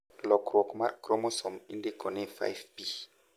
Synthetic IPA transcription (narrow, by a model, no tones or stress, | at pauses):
lɔkɾɔkmakɾɔmɔsɔmindekɔnɛfa̰jvpi